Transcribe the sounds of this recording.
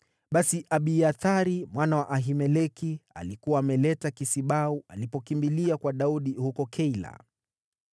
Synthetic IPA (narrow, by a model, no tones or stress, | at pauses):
ɓasiʔaɓiaθaɾimwanawaʔaɦimɛlɛkia̰likuwaːmɛlɛtakisiɓaualipɔkimbiliakwaɗauɗihukɔkʰɛila̰